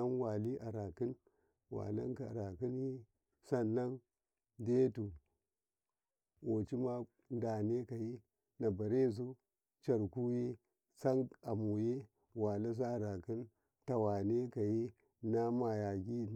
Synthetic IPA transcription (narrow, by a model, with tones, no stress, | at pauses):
a˦nwa˨li˦ʔa˨ɾa˨ki˦n | wa̰˨la̰˦nka˨ɾa˨ki˦nji˦ | sa˦nːa˦n | de˦tu˨ | wo˨t͡ʃi˦ma˦ | n˦da˨ne˦ka˨ji˦ | na˨ba˨ɾe˦z̬u˦ | t͡ʃa˨ɾku˦je˦ | sa˦ŋa˨mu˨je˦ | wa˨la˦s̬a˦˨ɾa˨ki˦n | ta˨wa˨ne˦ka˨ji˦ | na˦ma˨ja˨ɡi˦